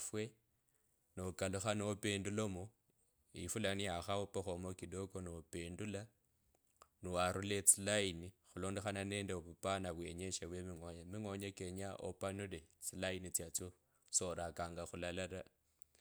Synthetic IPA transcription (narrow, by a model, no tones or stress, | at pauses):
fwe | nokaluxanoopeːndulomo | ifulaniaxaopoxomokidokoniopeːndula | nuwaɾulet͡silainixuloːndexananeːndeβupanaβweɲeʃeβwemiŋwoɲamiŋwoɲekeɲaʔo̰panulet͡silainit͡sjat͡so | soɾakaːŋɡaxulalala